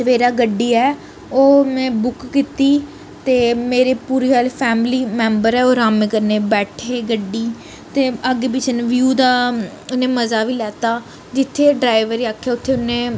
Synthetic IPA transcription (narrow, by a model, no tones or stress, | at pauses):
əʋeːɾaːɡəɖːiːɛː | oːmɛ̃ːbʊkkiːt̪iː | t̪eːmeːɾeːpuːɾiːɦaːlpʰɛːmliːmɛ̃ːmbəɾɛːoːɾaːmẽːkəɾnẽːbɛːʈʰeːɡəɖːiː | t̪eːəɡeːbɪt͡ʃənʋjuːd̪aː | ʊnẽːməzaːʋiːlɛːt̪aː | d͡ʒɪt̪ʰːeːɖɾaːɪʋəɾiːaːkʰːɛːʊt̪ʰːeːʊnẽː